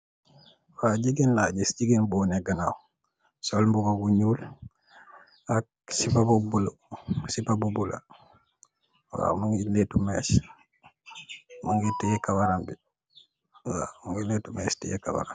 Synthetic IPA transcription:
faɟiɡenlaɟisɟiɡenboːneɡanaw | solmbuɡaɡuɲuːl | ak̚ | sipabubulosipabubula̰ | wa̰muŋiletumes | maŋɡitːijekawaɾambi | wa̰muŋɡiletumestḭjeka̰ba̰ɾa̰

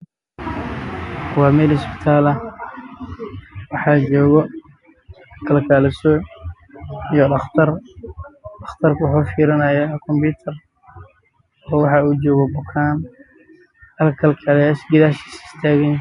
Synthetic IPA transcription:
wɑːmɛːlɪspɪ̥t̪ʰaːlɐ | wɑħɑːd͡ʒɔːɣɔ | kʰɐlkʰaːlɪsɔ | ijɔɐt̪ɐr | ɐxt̪ʰɐrkʊwʊħufiːɾɪnɐːjakʰɔmbuːt̪ʰɐr | ɔːwɑħɑuːd͡ʒɔːɣɔbʊkʰaːn | ɐlkʰɐlkʰaːljaːsɡɪðaːʃi̥sɪ̥st̪ʰaːɣɛn

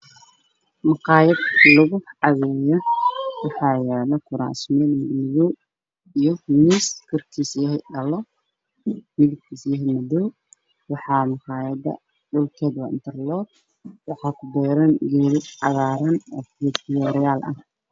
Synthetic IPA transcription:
mɑqɑːjɐd̪lɐɣʊʕɑβɛːjɔwɑħɑːjɛːlɐkʰʊɾa̰ːsmɛːlmɐɡnɪβɔw | ijɞniːskʰɔrkʰiːsjɐɦɛjɗɐlɔ | mɪlɪkk̪ʰiːsjɐɦɛmɐd̪ɔw | wɑħɑːmɑqɑːjɐd̪ɐ̰ | ɖʊlkʰɛːd̪wɑ̰ɪ̰nt̪ʰɐrlɔːd̪̚ | wɑħɑːkʰʊbɛːɾɐnɡɛːlɪʕɑɣaːɾɐnɔːfɪjɐd̪ɪjɔːɾɛjaːlʔɐ̰h

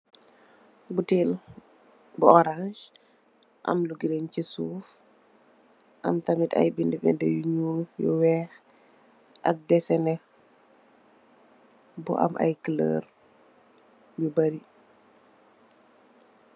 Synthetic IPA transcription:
butiːl | buɔɾãʃ | ʔɐ̰mluɡiɾɛncisuːf | ʔɐ̰mtamitɐ̰jbindɛbɛ̰ndɛjuɲuljɔ̰wɛːx | ʔɐ̰k̚dɛsɛnɛ | bṵʔa̰mʔa̰jkələ̰ːɾ | bubɐɾi

